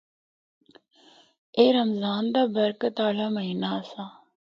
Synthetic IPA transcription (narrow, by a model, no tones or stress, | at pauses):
eːɾəmzaːnd̪aːbəɾkət̪aːlaːməɦiːnaːsaː